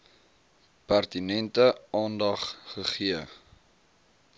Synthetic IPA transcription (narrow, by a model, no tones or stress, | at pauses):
pærtinɛntəɑːndɐχχəχiə